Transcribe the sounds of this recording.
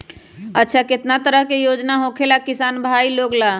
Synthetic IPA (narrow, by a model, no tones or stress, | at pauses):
ətːt͡ʃʰaket̪nat̪əɾəɦkejod͡ʒnaɦokʰelakisanbʱailoɡla